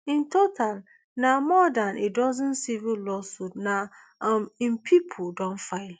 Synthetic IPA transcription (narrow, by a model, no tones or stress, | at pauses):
ĩntotʰal | namɔdanʔidɔzə̃nsivilɔsudna | mĩmpʰipʰudõnfaɪl